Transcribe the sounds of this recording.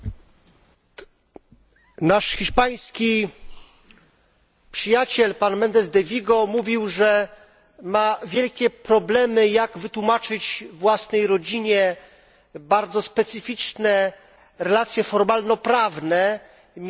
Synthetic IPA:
naʂxʲiʂpaj̃skʲi | pʂɘjat͡ɕɛlpanmɛnd̪ɛzd̪ɛvʲiɡɔmuvʲiwʐɛ | mavʲjɛlkʲɛpɾɔblɛmɘjaɡvɘt̪wumat͡ʂɘd͡ʑvwasnɛjɾɔd͡ʑiɲɛ | baɾd̪zɔspɛt̪sɘfʲit͡ʂnɛ | ɾɛlat̪sʲjɛfɔɾmalnɔpɾavnɛ

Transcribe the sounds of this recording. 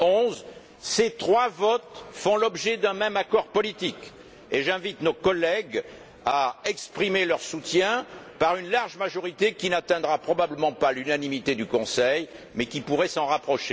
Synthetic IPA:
ɔ̃z | set̪χwavɔt̪fɔ̃lɔbʒɛd̪ɛ̃mɛmakɔʁpɔlit̪ik | eʒɛ̃vit̪nokɔlɛɡ | aɛkspχimelœʁsut̪jɛ̃paʁynlaʁʒmaʒɔʁit̪ekʲinat̪ɛ̃d̪ʁapχɔbabləmɑ̃palynanimit̪ed̪ykɔ̃sɛj | mɛkʲipuʁɛsɑ̃ʁapχɔʃe

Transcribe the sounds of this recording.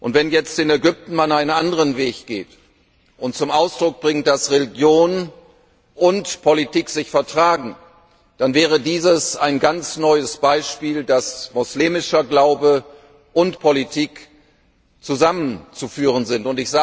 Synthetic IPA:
ʔʊntv̥ɛnjɛt͡stɪnɛɡʏp̚tn̩manaɪnənʔandəʁənveːçɡ̥eːt | ʔʊnt̚t͡sʊmʔaʊsd̥ʁʊk̚b̥ʁɪŋt̚d̥asʁeliɡjoːn | ʔʊntpʰolitiːkz̥ɪçfɛɐtʁ̥aːɡŋ̩ | d̥anvɛːʁ̞ədiːzəsaɪnɡant͡snɔʏəsb̥aɪʃpiːldasmʊsliːmɪʃɐɡlaʊbə | ʔʊntpʰolitʰiːk | t͡suzamənt͡sufyːʁ̞ənzɪntʊntɪçz̥aː

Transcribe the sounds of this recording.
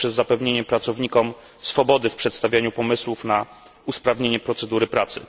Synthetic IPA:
ʂɛzːapɛvɲeɲɛpɾat̪sɔvɲikɔm | sfɔbɔd̪ɘfpʂɛt̪st̪avʲjaɲupɔmɘswufna | uspɾavɲeɲɛpɾɔt̪sɛd̪uɾɘpɾat̪sɘ̰

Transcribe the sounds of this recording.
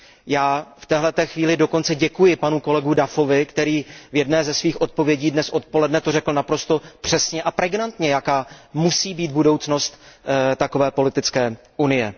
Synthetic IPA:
jaːft̪ɛːɦlɛt̪ɛːxviːlɪdo̞ko̞nt͡sɛɟɛkujɪpanuko̞lɛɡudafo̞vɪkt̪ɛɾiːvjɛdnɛːzɛsviːxʔo̞t̪̚po̞vjɛɟiːdnɛsʔo̞t̪̚po̞lɛdnɛt̪orɛkl̩napɾo̞st̪o̞pr̥ɛsɲɛʔapɾɛɡnant̪ɲɛjakaːmusiːbiːt̪̚budo̞wt͡sno̞st̪t̪ako̞vɛːpo̞lɪt̪ɪt͡skɛː | ʔunɪjɛ

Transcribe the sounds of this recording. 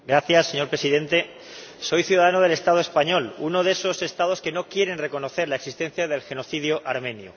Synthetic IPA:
ɡɾaθjasːe̞ɲo̞ɾpɾesiðe̞nt̪e̞ | so̞jθjuðaðanoð̞e̞le̞st̪aðo̞e̞spaɲo̞luno̞ðe̞so̞se̞st̪að̞o̞ske̞no̞kje̞ɾe̞nre̞ko̞no̞θe̞ɾlaeksist̪ẽ̞n̟θjaðe̞lxe̞no̞θið̞joʔaɾmẽ̞njo̰

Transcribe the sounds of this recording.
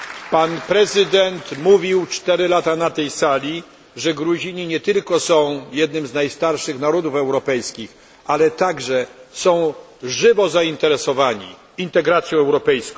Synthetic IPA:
panpɾɛzɘd̪ɛnt̪muvʲiwt͡ʂt̪ɛɾɘlat̪anat̪ɛjsalʲi | ʐɛɡɾuʑiɲiɲɛt̪ɘlkɔsɔ̃w̃jɛd̪nɘmznajst̪aɾʂɘxnaɾɔd̪ufɛwɾɔpɛjskʲix | alɛt̪aɡʐɛsɔ̃w̃ | ʐɘvɔzaint̪ɛɾɛsɔvaɲḭ | int̪ɛɡɾat̪sʲjɔ̃w̃ɛwɾɔpɛjskɔ̃

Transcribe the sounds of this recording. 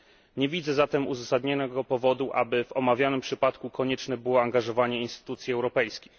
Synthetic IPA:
ɲɛvʲid̪zɛzat̪ɛmuzasad̪ɲɔnɛɡɔpɔvɔd̪uʔa̰bɘvɔmavʲjanɘmpʂɘpat̪kukɔɲɛt͡ʂnɛbɘwɔaŋɡaʐɔvaɲɛinst̪ɘ̥t̪ut̪sʲjiɛwɾɔpɛjskʲi̥x

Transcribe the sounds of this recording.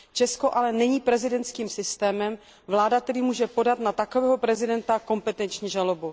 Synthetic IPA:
t͡ʃɛsko̞ʔalɛnɛɲiːpɾɛzɪdɛnt̪t͡skiːmsɪst̪ɛːmɛm | vlaːdakt̪ɛɾiːmuːʒɛpo̞dat̪nat̪akovɛːɦopɾɛzɪdɛnt̪ako̞mpɛt̪ɛnt͡ʃɲiːʒalobu

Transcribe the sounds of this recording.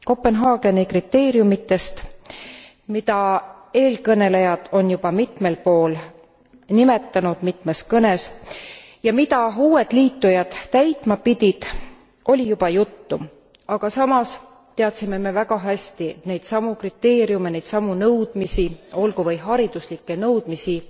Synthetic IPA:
ko̞pːe̞nɦɑːɡ̥e̞nikrit̪ːe̞ːɾjumit̪ːe̞st̪ | mid̪ɑe̞ːlkɤne̞le̞jɑd̪̥o̞njub̥ɑmit̪me̞lpo̞ːl | nime̞t̪ːɑnud̪̥mit̪me̞skɤne̞s | jɑmid̪ɑuːe̞d̪̥liːt̪ːujɑd̪̥ːæjt̪ˑmɑpid̪ʲid̪̥ | o̞lʲijub̥ɑjut̪ːu | ɑɡ̥ɑsɑmɑs | t̪e̞ɑt̪sime̞me̞væɡ̥ɑɦæsʲt̪ine̞jd̪̥sɑmukrit̪ːe̞ːɾijumenejd̪sɑmunɤwd̪̥misio̞lɡuvɤjɦɑɾid̪̥uslikːe̞nɤwd̪̥misi

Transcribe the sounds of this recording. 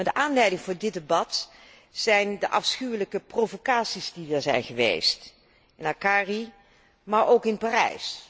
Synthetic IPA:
adəʔaːnlɛjdɪŋvʊːɹdɪdəbɑt | sɛjndəʔɑfsχywələkəprovokaːtsizdidəɹzɛ̰jnχəʋḛjst | ɪnakaːri | maːɹowkɪnpaːrɛ̰js

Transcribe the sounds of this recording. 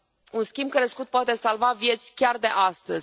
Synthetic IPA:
unskʲimb̚kɾeskut̪̚poat̪e̞salvavje̞t̪sʲkʲard̪e̞ʔast̪əz

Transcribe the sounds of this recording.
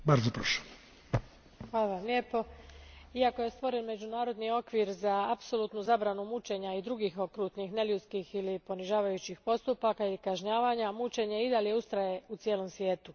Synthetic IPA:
baɾzopɾoʃo̥ | xʋaːlˠaʋamlʲe̞ːpo̞ | iako̞je̞st̪ʋo̞ɾe̞nme̞d͡ʑunaːɾo̞d̪nio̞kʋiɾzaapso̞luːt̪nuzabɾanumut͡ʃe̞ɲaid̪ɾuɡixo̞kɾut̪nixne̞ljut̪skixilipo̞niʒaːʋajut͡ɕixpo̞st̪upakailikaʒɲaːʋaɲamut͡ʃe̞ɲe̞id̪alje̞ust̪ɾaje̞ut̪sjelo̞msʋje̞ːt̪u

